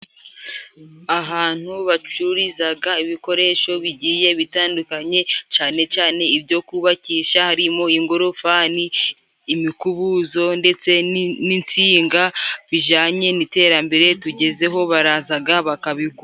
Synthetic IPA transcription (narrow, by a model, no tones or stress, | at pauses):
aɦaːn̥huβat͡ʃuɾizaɡaiβiko̞ɾe̞ʃo̞βiɟiːje̞βitaːndukaɲe̞t͡ʃaːne̞t͡ʃaːne̞ibɟo̞kuβaciːʃahaɾimo̞iŋɡoɾofaniː | mikuβuzo̞nde̞t͡se̞nint͡siːŋɡaβiʒaːɲe̞nite̞ːɾambe̞ɾe̞tuɟe̞ze̞ɦo̞βaɾaːzaɡaβakaβiku